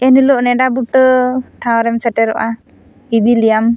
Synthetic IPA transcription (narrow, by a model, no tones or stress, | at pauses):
ɛnilɔʔnɛɖabuʈəʈʰaɔɾɛmsəʈɛɾɔ̰ʔa | ib̪ilijam